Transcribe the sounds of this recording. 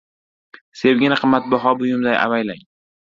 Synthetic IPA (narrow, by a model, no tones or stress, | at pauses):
sewɡʲɪnaqʰɨmːat̪̚bɒɦɒbʊjʊmd̪ajʔa̰vajlaŋ